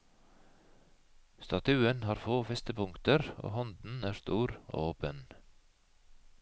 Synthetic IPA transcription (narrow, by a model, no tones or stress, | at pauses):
st̪ɑt̪ʰʉːənhɑːɾfoːfɛst̪əpʊŋt̪əɾo̰ːhɔnd̪n̩æːɾst̪uːɾo̰ːoːpən